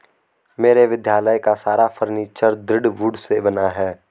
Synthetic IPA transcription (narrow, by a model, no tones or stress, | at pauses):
meːɾeʋɪd̪jaːləjkasaːɾafʰəɾniːt͡ʃəɾd̪ɾɪɖʋʊɖsebɐnaɦɛː